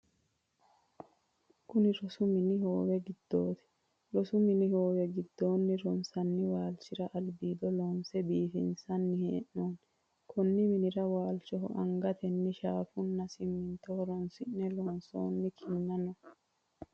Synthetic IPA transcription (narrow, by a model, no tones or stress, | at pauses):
kʊnɪɾɔsʊmɪnɪho̞ːwɛɡɪd̪̥ːoːt̪ɛ̥ | ɾɔsʊmɪnɪho̞ːwɛɡɪd̪ːo̞ːnːɪɾɔnsɐnːɪwaːlt͡ʃɪɾɐʔɐlbiːd̪ɔlɔnsɛbiːfɪ̰nsɐnːɪheːʔːoːn | kʰɔnːɪmɪnɪɾɐwaːlt͡ʃɔɦɔ̰ʔɐŋɡɐt̪ɛnːɪʃaːfʊnːɐsɪmːɪnt̪ɔhɔɾɔnsɪnːɛlɔnso̰ːnːɪkʰɪnːɐnɔ